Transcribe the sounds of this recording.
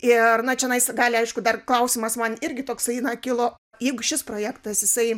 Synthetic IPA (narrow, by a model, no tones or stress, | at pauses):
ɪrnɐt͡ʃʲɛnɐɪsɡɑːlʲɪɐɪʃkʊd̪ɐrklˠɐʊsʲɪmɐsmɐnɪɾʲɡʲɪt̪oːksɐɪnɑkʲɪlˠoː | jɛɪɡʊʃʲɪspɾoːjæːkt̪ɐsjɪsɐɪ